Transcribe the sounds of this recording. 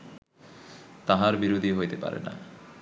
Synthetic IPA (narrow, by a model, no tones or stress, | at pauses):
t̪aɦaɾbiɾod̪ʱiɦojt̪epa̰ɾḛna̰